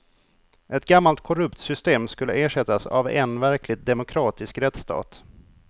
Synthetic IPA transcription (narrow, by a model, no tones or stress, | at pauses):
ʔɛt̪̚ɡamːalt̪̚kʰɔɾɵpt̪sʏst̪eːmskɵlːəeːʂɛt̪ːasa̰vɛnvæɾklɪɡ̚d̪ɛmʊkʰɾɑːt̪ɪskɾɛt̪st̪ʰɑ̰ːt̪